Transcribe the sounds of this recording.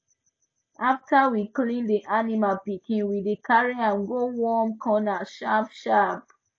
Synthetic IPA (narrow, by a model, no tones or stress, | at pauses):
ʔaftawiklĩndiʔanimalpikĩnwidikʰaɹiãnɡowɔmkʰɔ̃naʃapʃap̚